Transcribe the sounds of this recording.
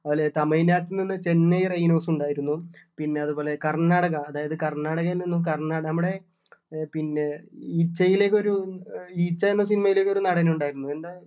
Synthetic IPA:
ɐʋɐlet̪ɐmɐjinaːʈːilninːɨt͡ɕenːɐjrɐjno̞ːsuɳɖaːjiɾunːupinːe̞ɐðubo̞ːle̞kɐrɳːaːɽɐɣɐɐðaːjɐðɨkɐrɳaːɽɐɣɐlninːukɐrɳaːnɐmːuɽe̞ | pinːe̞iːt͡ɕːɐjile̞ːkʲːo̞ɾuiːt͡ɕːɐenːɐs̬inimɐjile̞ːkʲːo̞ɾunɐɽɐnɐuɳɖaːjiɾunːue̞nd̪aː

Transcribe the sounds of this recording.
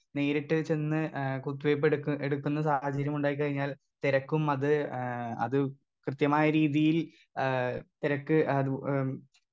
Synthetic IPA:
ne̞ːɾiʈːɨt͡ɕːe̞nːɨkut̪ːuʋejp̬ːeɽkeɽukːunːɐsaːhɐt͡ɕːɐɾjɐmuɳɖaːjikːɐɻiɲːaːl | t̪iɾɐkːumɐðɨɐ̰ðɨ | krɨt̪jɐmaːjɐɾiːðijil | t̪iɾɐkːɨɐ

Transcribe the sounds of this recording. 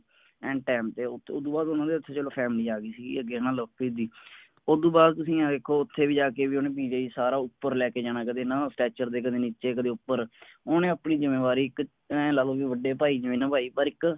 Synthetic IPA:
ɛ̃ːʈɛːmt̪eːʊod̪ũːbaːd̪ʊnãːd̪eːt̪ʰːeːt͡ʃəloːpʰɛːmliːaːɡiːsiːɡḭəɡeːnãːləpid̪iː | od̪ũːbaːd̪̚t̪ʊsĩːãːd̪eːkʰːoːʊt̪ʰːeːʋiːd͡ʒaːkeːʋiːonẽːbiːd͡ʒeːiːsaːɾaːʊpːəɾlɛːkeːd͡ʒaːñãːkəd̪eːnãːsʈɛːt͡ʃəɾd̪eːkəd̪eːniːt͡ʃeːkəd̪eːʊpːəɾonẽːəpniːzɪmeːʋaːɾiːɪk | ɛ̃ːlaːloːʋiːʋəɖeːpaːiːd͡ʒəʋẽːnãːbʱaːiːbəɾɪk

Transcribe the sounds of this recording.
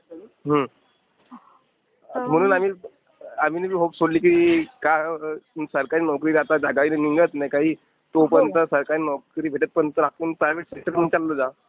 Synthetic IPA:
ɦə | m̤əɽ̃uːnamiː | am̤iːnebʱiːɦopsoɽliːkiika | səɾkaɾiːnɔkɾiːɾat̪ad͡zaɡainaniŋɡət̪najkaɦiː | t̪opənt̪əsəɾkaɾinɔkɾiːbʱeʈət̪̚pəɳt̪əɾakuːnpɾajʋeʈseʈəɾm̤ənt͡ɕalːəd͡za

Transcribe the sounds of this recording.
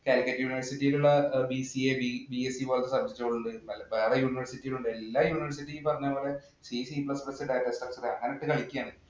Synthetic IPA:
kaːlkːɐtːjuːniʋɐrsitːijiluɭːɐbisiebibiesipo̞ːlɐt̪ːesɐb̚d͡ʑektːooɭːuɳɖɨnɐlbeːrɐjuːniʋɐrsitːijiluɳɖɨe̞lːaːjuːniʋɐrsitːiilpɐrɐɲːaːpoːle | sisiplɐsplɐsɨɖajʈːɐsʈɐrsɨdeɐ̰ŋːɐneʈːɨkɐɭikʲːijaːɳɨ

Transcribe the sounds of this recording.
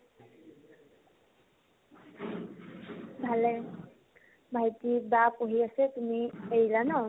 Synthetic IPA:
bʱalɛ | bʱajtibapoɦiasɛt̪umiejlanɔ

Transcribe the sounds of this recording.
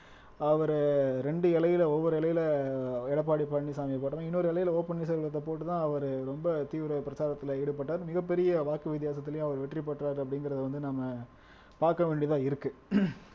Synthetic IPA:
ɐʋɐɾɾɛɳɖɯɛlɐjɪlɐɔʋːɔɾɯɛlɐjɪlɐɛɽɐp̬ːaːɽipɐɳːisaːmɪjɐpoːʈɐmãːɪnːoɾɯɛlɐjɪlɐoːpɐɳːɪs̬ɐlɭɐt̪ːɐpoːʈːɯt̪ãːɐʋɐɾɯɾɔmbɐt̪iːʋɪɾɐpɪɾɐsaːɾɐt̪ːɪlɐɛɽɯp̬ːɐʈːaːɾmɪɣɐpːɛɾɪjɐʋaːkɯʋɪt̪̬ɪjaːsɐt̪ːɪlɐjʊ̃ɐʋɐɾʋɛʈːripːɐʈːɾaːɾɐp̬ːɐɽɪŋɡɪɾɐðɐʋɐnd̪ɯnɐmːɐ | paːɾkɐʋeːɳɖit̪ãːɪɾɯkːɯ

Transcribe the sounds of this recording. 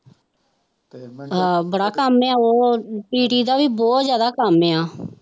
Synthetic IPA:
bəɽaːkaːmeːãːoːpiːʈiːd̪aːʋiːbɔːt̪zjaːd̪aːkaːmeːaː

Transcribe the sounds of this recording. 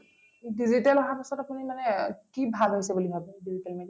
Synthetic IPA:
dizitalɔɦapisɔtapunimanɛkibʱalɦojsɛbuliɦɔpunidizitalmed

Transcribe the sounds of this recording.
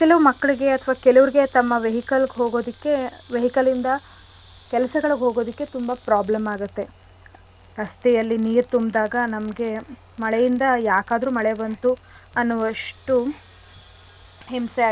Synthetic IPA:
kɛlɐʋumɐkːɐɭiɡe̞ɐt̪ʰɐʋaːkɛlɐʋɐɾiɡe̞t̪ɐmːɐʋeɦikɐlɡɦoːɡo̞ːd̪ikːe̞ʋeɦikɐlind̪ɐ | kɛlɐsɐɡɐɭuɡɦo̞ːɡo̞ːd̪ikːe̞t̪umbɐpɾaːblemaːɡut̪ːe̞ | ɾɐst̪ɛjɐlːiniːɾt̪umbd̪aːɡɐnɐmɐɡe̞ | mɐɭɛjind̪ɐjaːkaːd̪ɐɾuːmɐɭebɐnt̪u | ɐnːuʋɐʂʈu | ɦimsaː

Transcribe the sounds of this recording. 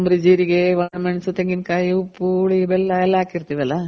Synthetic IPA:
mbɾid͡ʑiːɾiɡeʋɐɳmɐɳsut̪eŋɡinkajiupːuɭibelːaelːaːkːiɾut̪ːiʋɐlːɐ

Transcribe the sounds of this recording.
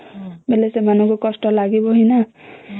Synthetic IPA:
belesemanʌkokʌsʈʌlaɡiboɦijnʌ

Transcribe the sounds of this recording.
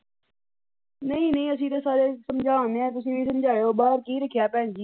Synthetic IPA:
nəĩːnəĩːəs̬ĩːt̪eːsaːɾeːsəmd͡ʒaːõːneɛ̃ːt̪ʊs̬ĩːbiːs̬əmd͡ʒʱaːjoːbaːɾkiːɾəkʰːjaːpɛ̃ːnd͡ʒiː

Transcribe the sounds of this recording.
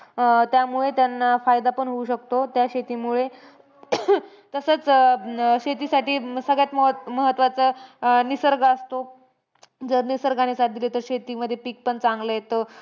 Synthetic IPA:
t̪jamuɭet̪janafajd̪apəɳɦouɕək̚t̪ot̪jaɕet̪iːmuɭe | t̪əsət͡s | ɕet̪isaʈiːsəɡɭjat̪mməɦət̪ːʋat͡sənisəɾɡaəst̪o | d͡zəɾnisəɾɡañesaʈid̪ilet̪əɾɕet̪iːməd̪ʱːjepik̚pəɳt͡saŋɡləjet̪ə

